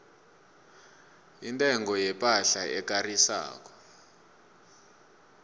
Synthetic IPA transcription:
intʼɛŋɡɔjɛpʼaɬaɛk̬ʼarisa̰ːk̬ɔ̥

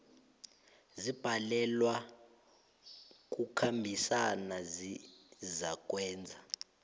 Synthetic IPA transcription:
zib̥ʱalɛlwa | k̬ʼukʰambʱisanazizak̬ʼwɛːnd͡zʱa

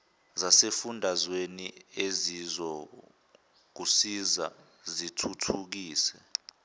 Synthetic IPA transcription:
zasefundʱazweniezizɔ | k̬usiza̰ | zitʰutʰuk̬iːsɛ

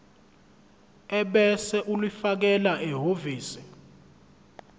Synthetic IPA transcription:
ɛɓɛsɛʔulwifak̬ɛlaʔɛɦoviːsi̥

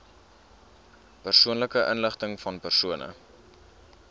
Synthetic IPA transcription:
pərsuənləkəʔənləχtəŋfɐnpərsuənə̰

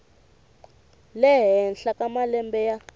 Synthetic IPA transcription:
lɛɦɛnɬakʼamalɛmbɛja

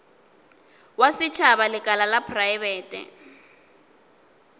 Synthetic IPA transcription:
wasɪt͡ʃʰaβalɪkʼalalapʰrajβɛːtʼɛ̰

